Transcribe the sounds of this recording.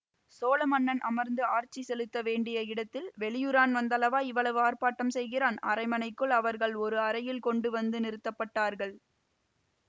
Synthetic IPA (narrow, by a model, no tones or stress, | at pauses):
soːlɐmɐnːɐnʔɐmɐɾnd̪ɯaːɾt͡ʃisɛlɯt̪ːɐʋeːɳɖɪjɐɪɽɐt̪ːɪlʋɛɭɪjɯɾaːnʋɐnd̪ɐlɐʋaːɪʋːɐɭɐʋɯaːɾpaːʈːɐmsɛjɣɪɾaːnɐ̰ɾɐɪmɐnɐɪkːɯɭɐʋɐɾɣɐɭɔɾɯɐɾɐjɪlkɔɳɖɯʋɐnd̪ɯnɪɾɯt̪ːɐpːɐʈːaːɾɣɐɭ